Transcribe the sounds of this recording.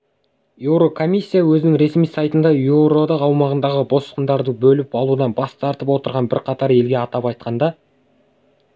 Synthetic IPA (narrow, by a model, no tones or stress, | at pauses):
jewɾo̞kʰo̞misʲːijawɵzɪnɪŋɾe̞smijsɑjt̪ənd̪ɑjuɾo̞d̪ɑqɑwmɑʁənd̪ɑʁəbo̞sə̥qənd̪ɑɾd̪əbɵlɪpɑlˠud̪ɑnbɑst̪ʰɑɾt̪əpwo̞t̪əɾʁɑnbɪɾqʰɑt̪ɑɾe̞lɡʲe̞ɑt̪ɑpɑjt̪̚qʰɑnd̪ɑ